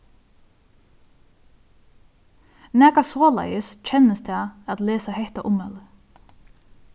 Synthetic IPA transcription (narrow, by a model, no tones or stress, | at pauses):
nɛkasoːlɛ̰jəsc͡çʰɛnəsd̪ɛːat̪leːsahɛht̪aʔʊmɛlə